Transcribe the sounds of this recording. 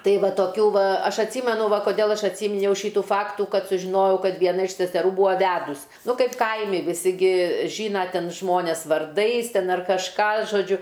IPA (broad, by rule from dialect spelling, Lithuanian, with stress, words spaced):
ˈtɐɪ ˈʋɐ toːˈkʲuː ˈʋɐ ˈɐʃ ɐtʲˈsʲiːmʲɛnʊ ˈʋɐ koːˈdʲeːlˠ ˈɐʃ ɐtʲˈsʲiːmʲɪnʲɛʊ ˈʃʲiːtuː ˈfɑːktuː ˈkɐt sʊʒʲɪˈnoːjɛʊ ˈkɐt ʋʲiɛˈnɐ ɪʃ sʲɛsʲɛˈruː ˈbuːɐ ˈʋʲæːdʊs ˈnʊ ˈkɐɪp ˈkɐɪmʲɪ ʋʲɪˈsʲɪ ˈɡʲɪ ˈʒʲiːnɐ ˈtʲɛn ˈʒmoːnʲɛs ʋɐrˈdɐɪs ˈtʲɛn ɐr kɐʃˈkɑː ʒoːˈd͡ʒʲʊ